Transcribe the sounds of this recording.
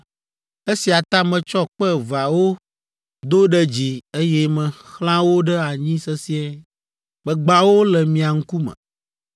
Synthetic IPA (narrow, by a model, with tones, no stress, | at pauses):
e˦si˨a˨t̪ã˦mɛ̃˨t͡ʃɔ˦k͡pɛ˦va˨wo˦ | d̪o˦ɖɛ˦d͡ʑi˨e˦jɛ˦mɛ̃˨xl̃ã˦wo˦ɖɛ˦a˨ɲĩ˦sɛ˦si˦ɛ˦ | bɛ˨ɡ͡ba˨wo˦lɛ˨mĩ˨a˨ŋ̩˦ku˦mə̰̃˨